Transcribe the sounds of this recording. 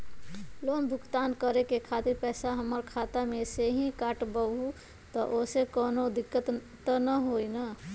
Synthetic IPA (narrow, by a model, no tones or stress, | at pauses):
loːmbʱʊkt̪aːnkəɾekekʰaːt̪iɾpɛːsaɦəməɾkʰaːt̪amẽseɦĩkaːʈbəu | t̪ɔʔoːsekɔːnod̪ɪkːət̪ | nəɦoːina